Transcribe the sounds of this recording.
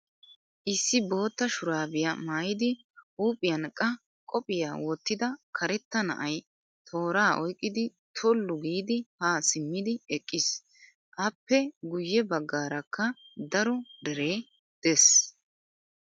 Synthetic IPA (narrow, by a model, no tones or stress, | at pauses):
ʔɪsːɪbo̞ːt̪ːɐʃʊɾaːbɪjɐmaːjɪd̪ɪ | uːpʼɪjɐnkʼːɐ | kʼɔpʼɪjaːwɔt̪ːɪd̪ɐkʰɐɾɛt̪ːɐnɐ̰ʔɐj | t̪ʰo̞ːɾaːʔɔjkʼːɪd̪ɪ | t̪ʰɔlːʊɡiːd̪ɪhaːsɪmːɪd̪ɪɛkʼːɪs | ʔɐpːɛɡʊjːɛbɐɡːaːɾɐkːɐ | d̪ɐɾɔd̪ɛɾeː | d̪̥ɛs